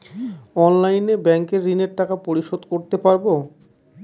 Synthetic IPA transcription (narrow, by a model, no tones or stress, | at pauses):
ɔnlajnebɛŋkeɾːineɾʈakapoɾiʃod̪koɾt̪epaɾbo